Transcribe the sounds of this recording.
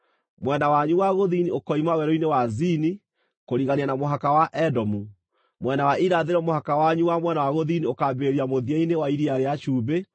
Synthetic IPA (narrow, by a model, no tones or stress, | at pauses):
mwɛnawaɲuwaɣoðiniokɔimawɛɾoinewazini | koɾiɣanianamoɦakawaʔɛdɔmu | mwɛnawaʔiɾaðeɾɔmohakawaɲuwamwɛnawaɣoðiniokabeɾiamoðiainewaiɾiaɾeaʃuːbe